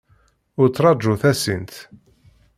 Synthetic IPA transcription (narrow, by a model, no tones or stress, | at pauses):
ʊɾt͡sːɾˤɑʒuθæsint̪